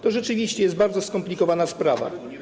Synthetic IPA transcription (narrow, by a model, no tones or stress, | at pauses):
t̪ɔʐɛt͡ʂɘvʲiɕt͡ɕɛjɛst̪baɾd̪zɔskɔmplʲikɔvanaspɾava̰